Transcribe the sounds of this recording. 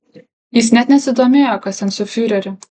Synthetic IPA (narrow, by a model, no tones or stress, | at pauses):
jɪs̬nʲɛt̪nʲɛsʲɪd̪oːmʲeːjokɐsʲɛnsʊfʲyɾʲɛɾʲʊ